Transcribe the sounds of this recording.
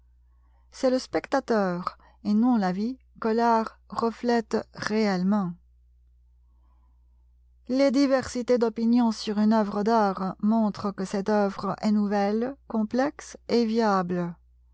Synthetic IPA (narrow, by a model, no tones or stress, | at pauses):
sɛləspɛkt̪at̪œːʁ | enɔ̃lavi | kəlaʁː | əflɛt̪ʁeɛlmɑ̃ | led̪ivɛʁsit̪ed̪ɔpinjɔ̃syʁynœvʁəd̪aːʁmɔ̃t̪χəkəsɛt̪œvʁəʔɛnuvɛlkɔ̃plɛksevjablə